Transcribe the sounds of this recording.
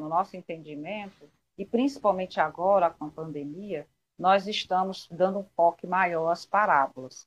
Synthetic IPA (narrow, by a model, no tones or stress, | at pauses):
nʊnɔsʊẽnt̪ẽd͡ʒimẽnt̪ʊ | ɪpɾĩsi̥pawmẽnt͡ʃɪaɡɔɾɐkõɐpɐ̃nd̪emiɐ | nɔzɪʃt̪ɐ̃mʊzd̪ɐ̃nd̪ʊũfɔkɪmajɔɾɐspaɾabʊlɐs